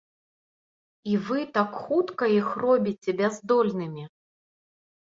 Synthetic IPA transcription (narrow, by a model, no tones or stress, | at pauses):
ivɨt̪akxut̪kɐixrɔbʲit͡sʲɛbʲazd̪ɔlʲnɨmʲi